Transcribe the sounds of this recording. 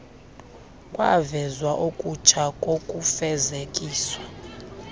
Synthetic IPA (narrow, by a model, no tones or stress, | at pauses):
kʼwa̰vɛzwaʔokʼut͡ʃʰakʼokʼufɛzekʼiːswa